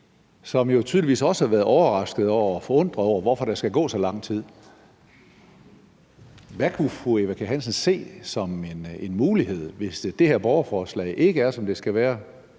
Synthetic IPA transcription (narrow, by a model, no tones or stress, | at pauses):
sɒ̽mjo̝t͡sʰyːðˠliʋḭːsɒ̽səhæ̈ʋæɐð̩ˠɒʊɐʁɑ̈sɡ̥ð̩ˠɒʊ̰ɐɒfɒ̽ɔ̽n̰d̥ʁɐɒʊ̰ɐʋɒfɒ̽ɾ̥æsɡ̥æɡ̥ɔ̰ːsɒ̽lɑ̈ŋ̰t͡sʰið̞̰ˠ | ʋækʰufueʋækʰæɦænsən̩se̝̰ːsɒ̽menenmuːlihe̝ð̞̰ˠʋe̝sed̥e̝heɐ̰b̥ɒʊɐfɒːslɛ̰ɪʔe̝ɡ̥əæɐsɒ̽md̥e̝sɡ̥æʋæːɐ